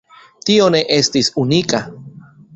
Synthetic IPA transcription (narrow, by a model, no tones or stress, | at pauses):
t̪ioneʔest̪isunika